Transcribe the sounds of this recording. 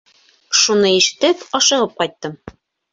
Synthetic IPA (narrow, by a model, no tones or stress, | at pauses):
ʃunɤiʃɘ̥̆t̪ɘpɒʃɤ̆ʁɤp̚qɒjt̪ːɤm